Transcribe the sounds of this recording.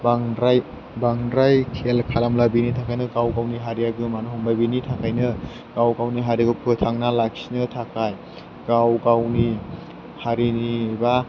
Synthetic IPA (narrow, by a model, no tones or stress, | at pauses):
baŋɾaj | baŋɾajkʰelkʰalamlabinitʰakʰajnɯɡawɡawniɦaɾijaɡɯmanuhɔmbabinitʰakʰajnɯ | ɡawɡawniɦaɾiɡɔpʰɯtʰaŋnalaksinɯtʰakʰaj | ɡawɡawni | haɾiniba